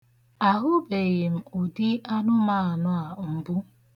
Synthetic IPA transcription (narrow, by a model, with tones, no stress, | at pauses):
a˨ɦʊ˦be˨ɣɪ˨m̩˨ʊ˨di˦a˦nʊ˦ma˦˨a˨nʊ˦a˨m̩˨bʊ˦